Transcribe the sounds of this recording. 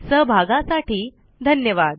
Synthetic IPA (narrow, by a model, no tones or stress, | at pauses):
səɦbʱaɡãsaʈiː | d̪ʱənjəʋad̪